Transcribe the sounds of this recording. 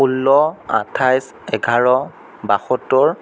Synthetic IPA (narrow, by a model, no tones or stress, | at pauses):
ulːɔa̰tʰajs | ɛɡʱaɹɔ | baxɔtɔɹ